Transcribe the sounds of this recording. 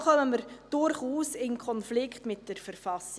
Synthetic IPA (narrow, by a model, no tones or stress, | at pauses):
χœnəməɾd̥ʊɾχuːsɪnkʰɔnflɪkχtmɪt̚d̥əɾfəɾfɑs